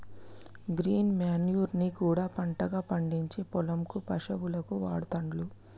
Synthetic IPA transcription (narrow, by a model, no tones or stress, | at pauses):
ɡɾiːnmaːnjuːɾnikuːɽaːpɐɳʈɐɡaːpɐɳɖiɲt͡ʃipɔlɐmkupɐʂɐʋulɐkuʋaːɽut̪ɐɳɖlu